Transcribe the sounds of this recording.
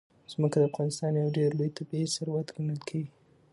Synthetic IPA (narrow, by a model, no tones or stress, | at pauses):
z̥məkad̪əafɣɑnɪst̪ɑnjawɖeɾlojt̪abiesaɾwat̪ɡanəlkʰeɡi